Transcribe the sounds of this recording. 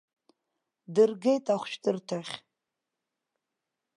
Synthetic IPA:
dɨrɡejtʰʼaχʷʃʰdɨrtʰaχʲ

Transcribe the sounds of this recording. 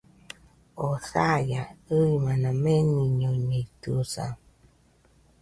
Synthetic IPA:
osajaɯjmanameniɲoɲeit̪usa̰

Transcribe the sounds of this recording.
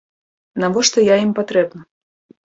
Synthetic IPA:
navɔʂt̪ɔjaimpat̪ɾɛbnɐ

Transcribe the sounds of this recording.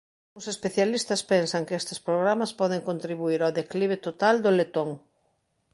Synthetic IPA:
ʊŋsespeθjalist̪ɐspensɐŋkɪest̪ɪ̥spɾoɣɾamɐspɔð̞ɪŋkõnt̪ɾiβuiɾaðekliβ̞ɪt̪ot̪ald̪ʊlet̪oŋ

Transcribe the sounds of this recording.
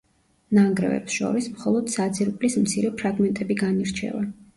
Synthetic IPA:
naŋɡɾɛ̰vɛ̰psʃɔ̰ɾismχɔlˠɔd̪̥sad̪ziɾpʼlismt̪sʰiɾɛpʰɾaɡmɛnt̪ʼɛbiɡaniɾt͡ʃʰɛ̰va

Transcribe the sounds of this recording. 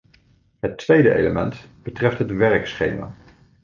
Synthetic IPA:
ɦətʋejdəʔḛjləmɛntb̥ətrɛftɦətʋɛrksχḛjma̰ː

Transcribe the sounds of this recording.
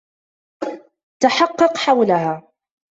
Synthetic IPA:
t̪aħɑqːɑqħawlaɦaː

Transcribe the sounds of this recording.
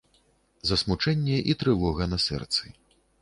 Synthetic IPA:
zɐsmut͡ʂɛnʲːɛʔit̪ɾɨvɔɣɐnɐsɛ̰rt̪sɨ

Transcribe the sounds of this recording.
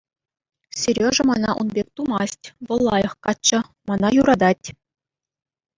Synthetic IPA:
sʲerʲjoʐɤ̆mɑnɑ̰ʔunbʲek̚ʲt̪umɑsʲtʲʋɤ̆lˠːɑjɤ̆χkɑt͡ɕːɤ̆mɑnɑjuɾɑd̪ɑtʲ

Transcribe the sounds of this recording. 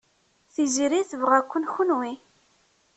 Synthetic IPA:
θizɾiθvʁækʷːənxʊnwi

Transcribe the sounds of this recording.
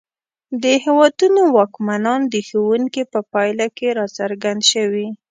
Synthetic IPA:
d̪əhewɑd̪unowɑkmanɑnd̪əxowuŋkipəpɑjlakeɾɑsaɾɡand̪ʃəwi

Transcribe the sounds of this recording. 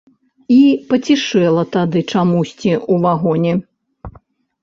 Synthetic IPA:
ipɐt͡sʲiʂɛlˠɐt̪ad̪ɨt͡ʂamusʲt͡sʲiuvaɣɔnʲɛ

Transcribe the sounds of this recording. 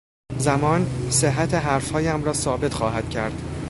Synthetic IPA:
zæmɒːnseɦːæt̪ʰeɦæɾfhɒːjæmɾɒːsɒːbe̞t̪xɒːɦæd̪̥cʰæɾd̪̥

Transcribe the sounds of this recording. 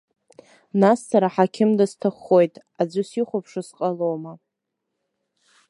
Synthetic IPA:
nasːaɾaħakʲʰɪmdastʰaχːo̞jtʼ | ad͡zʷɨsiχʷʊpʰʂɨsqʼalowma

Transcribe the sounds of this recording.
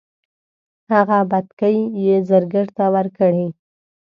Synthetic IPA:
haɣabat̪kəjːezəɾɡəɾt̪awəɾkəɽi

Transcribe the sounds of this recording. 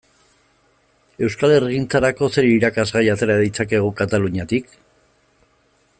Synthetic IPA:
e̞wskale̞rɣint͡saɾako̞se̞ɾiɾakazɣajat̪e̞ɾaðit͡sake̞ɣ̞ukat̪aluɲat̪ik

